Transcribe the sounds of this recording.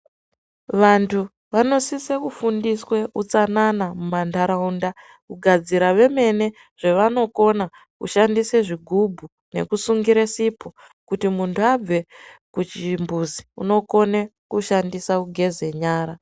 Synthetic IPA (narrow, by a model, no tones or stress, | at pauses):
ʋantʰu | ʋano̞sisekufundiswe̞ʔut͡sananamumandaɾaunda | kuɡʱad͡ziɾaʋe̞me̞ne̞ | ʐ̥e̞ʋano̞ko̞na | kṵʃandiseʐiɡʱubʱu | ne̞̰kusuŋɡiɾesipʰo̞ | kutimuntʰuab͡ve̞kut͡ʃimbuziṵno̞ko̞nekuʃandisakuɡʱe̞ze̞ɲaːɾa